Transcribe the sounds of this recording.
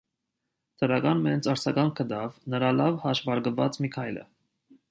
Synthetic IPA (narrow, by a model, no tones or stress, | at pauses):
t̪ʰəɾɑɡɑnmɛnt͡sɑɾt͡sʰɑɡɑŋkʰːəd̪ɑvnəɾɑlɑvhɑʃvɑɾɡəvɑt͡smikʰɑjlə̰